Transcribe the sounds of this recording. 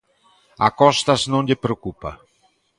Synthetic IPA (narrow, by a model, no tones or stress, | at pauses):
akɔst̪asnõnʎepɾokupa̰